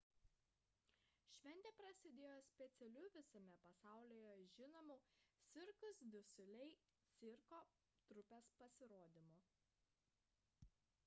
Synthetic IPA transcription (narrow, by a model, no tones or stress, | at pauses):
ʃʲʋʲɛnʲt̪ʲeːpɾɐsʲɪd̪ʲeːjoːsʲpʲɛt̪sʲɛlʲʊʋʲɪsʲɐmʲɛpɐsɑˑʊlʲijɛʒʲɪnomuːsʲɪɾkʊsd̪ʲʊsʲʊlʲɛɪ | sʲɪɾkoː | t̪ɾʊpʲespɐsʲɪɾoːd̪ʲɪmʊ